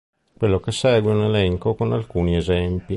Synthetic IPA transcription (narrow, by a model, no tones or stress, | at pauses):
kwelːokesɛːɡweunelɛŋkokonalkuːniezɛmpi